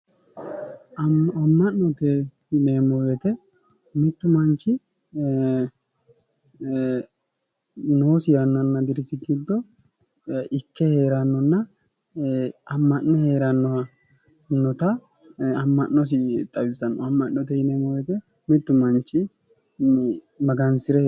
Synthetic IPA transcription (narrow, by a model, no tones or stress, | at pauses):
ɐmːɐnːɔt̪ɛhneːmojɛt̪ɛ | mɪt̪ːʊmɐnt͡ʃːɪ | no̞ːsɪjɐnːɐnːɐd̪ɪɾɪsɪɡid̪ːɔ | ʔɪkːɛhe̞ːɾɐnːɔnːɐ | ɐmːɐnːɔheːɾɐnːɔɐ | nɔt̪ɐ | ɐmːɐnːɔs̬ɪt̪ʼɐwɪsɐnːɔɐmːɐnːɔt̪ɛhɪneːmɔjɛt̪ɛ | mɪt̪ːʊmɐnt͡ʃːɪ | mɐɡɐnsɪɾɛ